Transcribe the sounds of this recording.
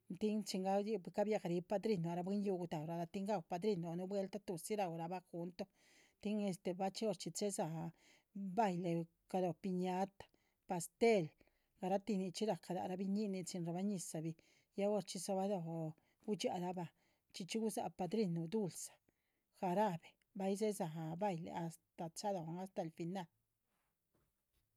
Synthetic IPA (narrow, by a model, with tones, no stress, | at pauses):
t̪i˦ŋt͡ʃi˧ŋɡa˦˧ka˦bja˧ɡa˨ɾi˧˦pa˧d̪ɾi˧nu˨a˨ɾa˧be˦nju˧ɡu˧t̪a˨wɾa˧da˧t̪i˦ŋɡa˦˧wpa˧d̪ɾi˧nu˨nu˧bwe˧lt̪a˦t̪u˨si˦ɾa˨wɾa˧ba˦xu˧nt̪o˦ | t̪i˦ŋe˧st̪e˨ba˦t͡ʃi˦o˧ɾt͡ʃi˧t͡se˦za˨ | ba˧jle˨ | ka˧d̪o˨pi˧ɲa˦t̪ḁ˨ | pa˧st̪e˦l | ɡ̥a˨ɾa˦t̪i˧ni˧t͡ʃi˦ɾa˨ka˨d̪a̰˨ɾa˦bi˧ɲi˦ni˧t͡si˧nɾa˧˨ba˦ɲi˧sa˨bi˧ | ja˦o˧ɾt͡ʃi˧sa˧ba˦d̪o˧˨ | ɡu˦t͡ʃa̰˧ɾa˧˦ba˧ | t͡ʃi˧t͡ʃi˦ɡu˦za̰˧pa˧d̪ɾi˦˧nːu˨d̪u˦lsḁ˨ | xa˧ɾa˦be̥˨ | ba˦jze˦za˨ɦba˧jlḛ˨a˧st̪a˨t͡sa˦d̪o˨ŋa˦st̪a˨lfi˧na˦˧l